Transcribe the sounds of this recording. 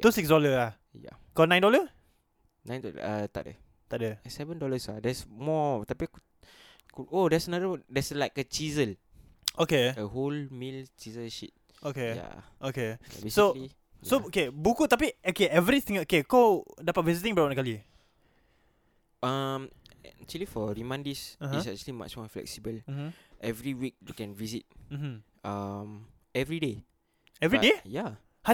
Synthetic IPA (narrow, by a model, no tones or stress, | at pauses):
ausiksdɔləla | ja̰kɔlnãjndɔlə | nãjndɔlə̰ət̪a̰ʔdə̰ | t̪aʔdəsɛvə̃ndɔləsa̰dɛsmɔt̪apiku | kuʔodɛsənadəwdɛslaɪkət͡ʃizəl | ʔokeəholmilt͡ʃizəlʃit̚ | okeja̰ | okea̰besokli | jsookebukut̪apiokeɛvɾit̪ĩŋokekawdapat̚vizit̪ĩŋbawãnkali | amɛk̚t͡ʃuəlifɔɹimãndisãɦə̃sɛ̰k̚t͡ʃuəlima̰t͡ʃmɔflɛ̰k̚sibəlm̩m̩ʔɛvɹiwik̚jukɛ̃nvizit̚m̩m̥m̩ | am | ɛvɹide | ɛvɹideja | ha